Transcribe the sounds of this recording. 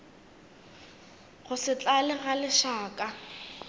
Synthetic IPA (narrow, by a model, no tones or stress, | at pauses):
ɣʊsɪt͡ɬʼalɪɣalɪʃaːkʼa